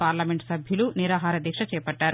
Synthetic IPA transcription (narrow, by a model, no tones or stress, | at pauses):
paːɾlɐmeɳʈsɐbʱjuluniɾaːɦaːɾɐd̪ʱiːkʂɐt͡ʃɛːpɐɖːaːɾu